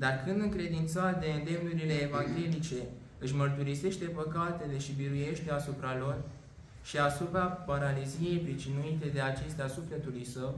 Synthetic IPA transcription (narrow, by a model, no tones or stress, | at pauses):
d̪arkɨnd̪ɨŋkɾe̞d̪int̪sat̪̚d̪e̞ɨnd̪e̞mnuɾile̞ːvaŋɡʲe̞lit͡ʃe̞ | ɨʃmərt̪uɾise̞ʃt̪e̞pəkat̪e̞le̞ʃibiɾuje̞ʃt̪e̞asupɾalo̞r | ʃiasupɾapaɾalizije̞jpɾit͡ʃinuit̪e̞d̪e̞at͡ʃe̞st̪easufle̞t̪ulujsəw